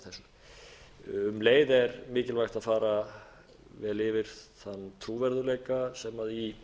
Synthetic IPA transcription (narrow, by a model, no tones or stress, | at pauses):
θɛsʏ | ʏmleːjðɛɾmɪːcɪlvajxt̪aðfaːɾa | vɛːlɪvɪɾ̥θanːt̪ʰɾuːvɛɾðʏɾlejkasɛmaði